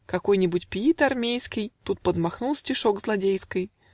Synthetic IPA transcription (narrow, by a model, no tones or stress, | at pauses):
kɐko̞jnʲɪbʊtʲpʲit̪ɐrmʲejskʲɪjt̪ut̪̚pəd̪mɐxnulˠsʲtʲɪʂo̞ɡzlˠɐdʲejskəj